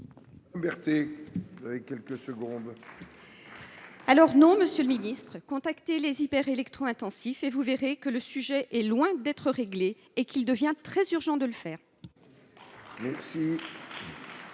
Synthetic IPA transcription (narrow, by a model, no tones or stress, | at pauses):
bɛʁt̪ezavekʲɛlkəsəɡɔ̃d̪ | alɔʁnɔ̃məsjøləminist̪χəkɔ̃t̪akt̪elezipɛʁelɛkt̪χɔ̃ɛ̃t̪ɑ̃sifevuveʁekələsyʒɛʔɛlwɛ̃d̪ɛt̪χəʁeɡleː | kild̪əvjɛ̃t̪χɛzyʁʒɑ̃d̪ələfɛːʁ | mɛʁsi